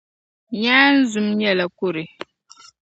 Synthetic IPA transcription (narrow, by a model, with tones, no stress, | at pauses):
ɲaː˦n̩˦zu˦mɲɛ˦la˨ku˦ɾɪ˨